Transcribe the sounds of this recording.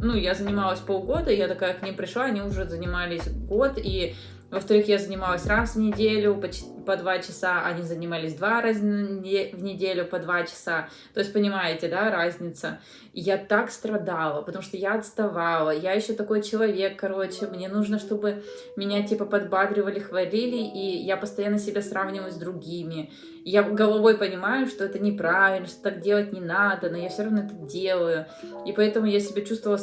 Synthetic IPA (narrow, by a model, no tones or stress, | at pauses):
nujazənʲɪmalˠəsʲpolˠɡo̞d̪əɪjat̪ɐkajəknʲimpɾʲɪʂlˠaɐnʲiʊʐɛzənʲɪmalʲɪsʲɡo̞t̪i | vəft̪ɐɾɨxjazənʲɪmalˠəsʲrasvnʲɪdʲelʲʊpət͡ɕ | pɐd̪vat͡ɕɪsaʔɐnʲizənʲɪmalʲɪsʲd̪vaɾazʲnʲɪvnʲɪdʲelʲʊpɐd̪vat͡ɕɪ̥sa | t̪o̞ɪsʲtʲpənʲɪmajɪtʲɪd̪aɾazʲnʲɪt̪sə | jat̪akst̪ɾɐd̪alˠəpət̪ɐmu̥ʂt̪ojaɐt̪st̪ɐvalˠəjajɪɕːot̪ɐko̞jt͡ɕɪlˠɐvʲe̞kːɐɾo̞t͡ɕɪmnʲe̞nuʐnəʂt̪o̞bɨ | mʲɪnʲatʲipəpɐd̪bad̪ɾʲɪvəlʲɪxvɐlʲilʲɪʔijapəst̪ɐjanːəsʲɪbʲasravnʲɪvəjʊzʲd̪ɾʊɡʲimʲɪ | jaɡəlˠɐvo̞jpənʲɪmajʊʂt̪o̞ɛt̪ənʲɪpɾavʲɪlʲnəʂt̪ot̪ak̚dʲe̞lˠət̚ʲnʲɪnad̪əno̞jafsʲoɐvnoɛt̪ədʲe̞lˠəjʊ | ipɐɛt̪əmʊjasʲɪbʲat͡ɕust̪vəlˠ